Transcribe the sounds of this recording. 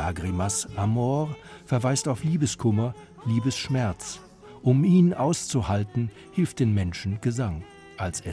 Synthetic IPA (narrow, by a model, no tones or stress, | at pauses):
ʔaɡʁimasʔamɔːʁfɛɐvaɪstaʊfliːbəskʰʊmɐ | liːbəsʃmɛɐt͡s | ʔʊmiːnʔaʊst͡suhaltn̩ | hɪlft̚d̥eːnmɛnʃn̩ɡ̥əzaŋ | ʔalsɛ